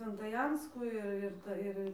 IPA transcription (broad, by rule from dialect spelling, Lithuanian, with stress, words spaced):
sʲʋʲɛntɐˈjɛnskuː ɪr ˈɪr ɪr ˈtɐ ˈɪr